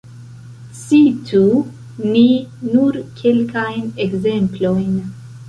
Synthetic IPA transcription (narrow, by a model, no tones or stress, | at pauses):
sitʰu | ninuɾkʰe̞lkajnekze̞mplo̞jn